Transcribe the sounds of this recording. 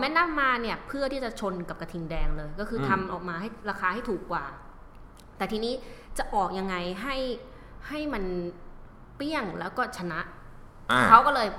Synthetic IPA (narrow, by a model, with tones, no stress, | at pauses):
mɛː˦˥na˥˩mːaː˧ni˥˩ɐpʰɯ˥˩ət̪ʰiː˥˩t͡ɕa˨˩t͡ɕʰo˧nka˨˩p̚ka˧t̪ʰi˧ŋdɛː˧ŋlɤː˧jkɔː˥˩kʰɯː˧t̪ʰa˧mʔɔː˨˩k̚maː˧ɦa˥˩jɾaː˧kʰaː˧ha˥˩jt̪ʰuː˨˩k̚ːwaː˨˩ | t̪ɛː˨˩t̪ʰiː˧niː˦˥t͡ɕa˨˩ʔɔː˨˩k̚ja˧ŋːa˧jɦa˥˩j | ha˥˩jma˧n | pi˥˩əŋlɛ̰ː˦˥wkɔː˥˩t͡ɕʰa˧na˦˥ʔ | kʰa˦˥wkɔː˥˩lɤː˧j